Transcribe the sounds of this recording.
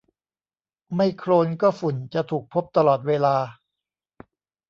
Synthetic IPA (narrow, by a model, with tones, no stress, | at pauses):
ma˥˩jkʰɾoː˧nkɔː˥˩fu˨˩˦nt͡ɕa˨˩t̪ʰuː˨˩k̚pʰo˦˥p̚t̪a˧lɔː˨˩t̪̚weː˧laː˧